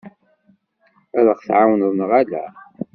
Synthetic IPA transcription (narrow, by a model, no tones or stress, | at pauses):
æləʁθʕawnəðˤnʁalæ